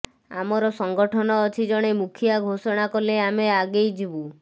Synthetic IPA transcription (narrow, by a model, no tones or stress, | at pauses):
a̰mɔɾɔsɔŋɡɔʈʰɔnɔːt͡ʃʰid͡ʒɔɽ̃emukʰijaɡʱosɔɽ̃akɔleameaɡejd͡ʒibu